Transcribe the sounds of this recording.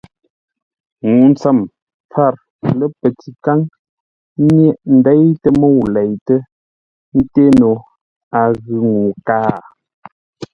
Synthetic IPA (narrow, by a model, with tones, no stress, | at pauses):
ŋu˨n̩˨t͡sə˨m | p͡fa˦˨ɾ | lə˦pə˨ti˨ka˦ŋ | mjɛ˦ʔn̩˨dɛ˦jtə˦mə˦˨wlɛ˨jtə˦ | n̩˦te˦no˨ | a˨ɣʉ˨ŋu˨kaː˦